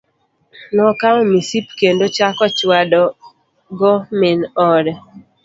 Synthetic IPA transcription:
nɔkaŋmisipkendot͡ʃakɔt͡ʃwadɔ | ɡɔmɪnɔɾɛ

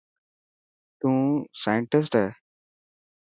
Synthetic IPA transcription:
t̪ũːsaːjə̃ɳʈɪs̬ʈɛ

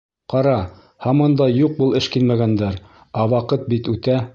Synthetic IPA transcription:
qɑɾɑ | hɑmɑnd̪ɑjuq̚bɤlˠɘʃkilmæɡænd̪æɾ | ɑwɑqɤt̪̚bit̪ʉt̪æ

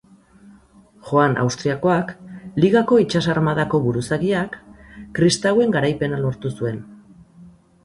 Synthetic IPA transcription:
xo̞anʔa̰wst̪ɾiako̞akliɣako̞it͡ʃasaɾmað̞ako̞βuɾusaɣiakːɾist̪awe̞ŋɡaɾajpe̞nalo̞ɾt̪usue̞n

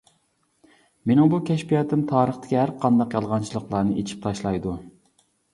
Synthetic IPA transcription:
menɪŋbukʲʰɛʃpijɑt̪ʰːɪmt̪ʰɑːɾəχt̪ʰɪ̥kʲiɦæɾqʰɑnd̪ɑqjɑlˠʁɑnt͡ʃʰilˠəqlˠɑɾnɨʔet͡ʃʰi̥p̚t̪ʰɑʃlˠɑjd̪u

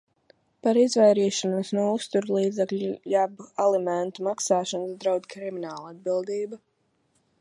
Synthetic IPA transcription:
paɾizvɛjɾiːʃɔnusnuɔust̪uɾlˠiːd̪zɛklʲujabualˠɛmɛnt̪umaksaːʃɔnsd̪ɾawd̪ʲkɾiminaːlˠad̪̚bilˠd̪iːba

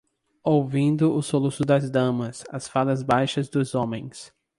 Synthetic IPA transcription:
owvĩnd̪ʊʔʊsolusʊd̪ɐzd̪ɐ̃mɐsɐsfalɐzbajʃɐzd̪ʊzõmẽj̃s

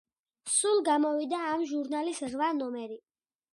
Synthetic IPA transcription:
sulˠɡamɔvid̪aːmʒuɾnalisʁvanɔmɛɾi

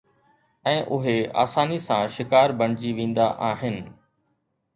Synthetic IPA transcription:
ɛ̃ːʔʊɦea̰ːsaːnisãʃɪkaːɾbɐɳ̃d͡ʑiʋẽːnd̪aʔaːɦɪnɪ̆

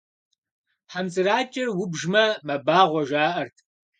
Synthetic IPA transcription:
ħamt͡sʼɨraːt͡ʃʼɪrwʊbʒmɐmɐbaːʁʷɔʒaːʔɐrtʰ

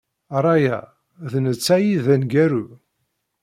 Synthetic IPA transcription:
ɾˤɑjæ̰ | ðnət͡sːæjiðænɡæɾu

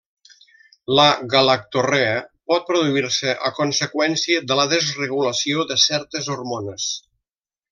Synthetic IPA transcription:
ləɣalak̚t̪oreəpɔt̪̚pɾoðuiɾsəʔəkunsəkwɛnsiəðələðəzrəɣuləsioðəsɛɾt̪əzurmonəs

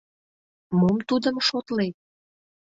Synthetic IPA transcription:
momt̪ud̪ə̆mʃot̪let̪̚

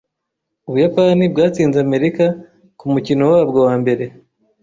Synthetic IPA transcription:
uβujapanibɡaːt͡siːnzeaːme̞ɾika | kumucino̞waːbɡo̞waːmbe̞ɾe̞

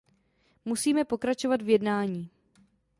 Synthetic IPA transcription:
musiːmɛpo̞kɾat͡ʃo̞vad̪vjɛdnaːɲiː

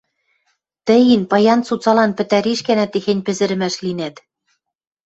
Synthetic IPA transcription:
t̪ɘ̆jinpɑjɑnt͡sut͡sɑlɑnpɘ̆t̪æɾiʃkænæt̪ːexenʲpɘ̆zɘ̆ɾɘ̆mæʃlinæt̪

